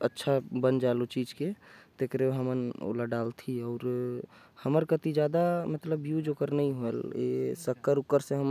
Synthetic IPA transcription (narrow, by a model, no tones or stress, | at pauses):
ətːʃʰabənd͡ʒalot͡ʃid͡ʒket̪ekɾeɦəməno̰laɖalt̪ʰiɔʊɾ | həməɾkət̪id͡ʒjad̪amət̪ləbjud͡ʒokəɾnəĩɦoelḛsəkːəɾukːəɾseɦəm